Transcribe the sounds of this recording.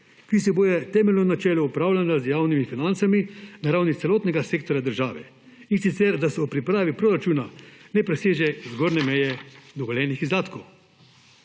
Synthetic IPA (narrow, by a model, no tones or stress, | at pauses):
kisɛboːjɛt̪ɛːmɛlnɔnat͡ʃɛːlɔupɾaːwlanazjaːwnimifinant̪saminaɾaːwnit̪sɛloːt̪nɛɡaseːkt̪ɔɾjad̪əɾʒaːʋɛ̰ | insit̪sɛɾd̪asɛupɾipɾaːʋipɾoːɾat͡ʃuːnanɛpɾɛseːʒɛzɡoːɾnɛmɛjɛd̪ɔɡɔljɛːnixizd̪aːt̪kow